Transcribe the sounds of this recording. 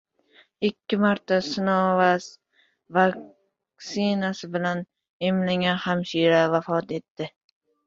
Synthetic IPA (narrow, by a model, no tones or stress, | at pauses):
ɪkʲʰːɪmaɾt̪ʰasɪnɒvas | vak | sɪnasɪbɪlan | emlaŋahamʃiɾavafɒt̪e̞t̪ːɪ